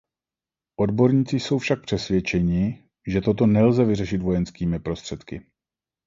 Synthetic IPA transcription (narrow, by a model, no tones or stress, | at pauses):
ʔo̞dbo̞ɾɲiːt͡sɪso̞wfʃak̚pr̥ɛsvjɛt͡ʃɛɲɪ | ʒɛt̪o̞t̪̬o̞nɛlzɛvɪrɛʃɪt̪vo̞jɛnskiːmɪpɾo̞st̪r̥ɛt̪kɪ